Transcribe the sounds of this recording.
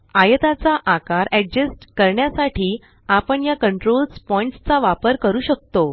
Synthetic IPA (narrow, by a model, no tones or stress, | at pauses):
ajət̪at͡saʔakaɾɛɡ̚d͡ʑəsʈkəɾɳjasaʈʰiː | apəɳjakəɳʈɾolspɔiɳʈst͡saʋapəɾkəɾuːɕək̚t̪o